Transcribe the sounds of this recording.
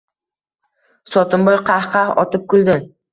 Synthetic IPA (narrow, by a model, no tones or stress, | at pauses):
sɒt̪ʊmbɒjqʰɑhqɑχɒ̰t̪ɪp̚kʊld̪ɪ